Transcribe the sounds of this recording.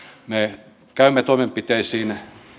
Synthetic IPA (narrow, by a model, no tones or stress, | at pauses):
me | kæymːet̪oimempit̪eisiːn